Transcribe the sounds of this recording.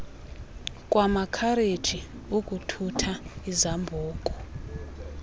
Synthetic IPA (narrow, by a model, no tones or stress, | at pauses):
kʼwamakʰaɾed̥ʒ̥ʱi | ukʼutʰutʰaizambʱuːkʼɔ